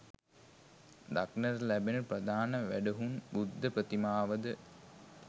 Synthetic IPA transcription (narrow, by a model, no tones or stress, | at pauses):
d̪aknərlæbenəprəd̪aːnəʋæɖəɦunbud̪ːəprət̪imaːʋəd̪ə